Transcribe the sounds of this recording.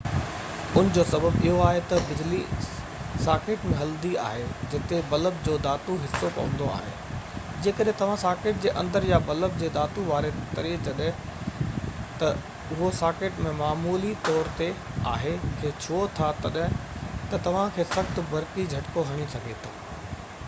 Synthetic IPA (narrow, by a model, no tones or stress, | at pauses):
ʊnd͡ʑoːsɐbəbɪɦoaːɦet̪ɐbɪd͡ʑli | saːkeːʈmẽɦɐld̪ia̰ːɦed͡ʑɪt̪ebɐləbd͡ʑoːd̪aːt̪uɦɪsːokɐ̰ʋə̃nd̪o̰a̰ːɦḛː | d͡ʑeːkəɗɦẽt̪ɐʋ̤ãsaːkeːʈ̚d͡ʑeːʔɐ̰̃nd̪əɾjabɐləb̚d͡ʑeːd̪aːt̪uʋaːɾet̪ɐɾid͡ʑɐɗɦɪ̃ | t̪ɐ | ʊɦosaːkeːʈmẽmaːmuːlit̪ɔːɾt̪e | a̰ːɦekʰeːt͡ɕʰoːt̪ʰat̪ɐɗɦɪ̃t̪ɐt̪ɐʋ̤ãkʰeːsɐxt̪̆bʱɐɾkid͡ʑʱɐʈkoɦɐɽ̃isɐɡʱet̪ʰaː